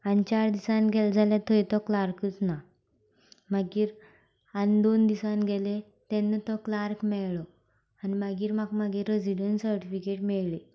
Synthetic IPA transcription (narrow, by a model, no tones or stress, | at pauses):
anit͡ɕaɾd̪isãnɡʱɛld͡zʱalẽt̪ʰəit̪ɔklaɾkət͡sna | maɡiːɾ | and̪ond̪isãnɡʱɛle | t̪ɛnːet̪ɔklaɾkmɛɭlɔ | animaɡiːɾmakmaɡiɾɔd͡ziɽənsəɾʈifikeʈmɛɭle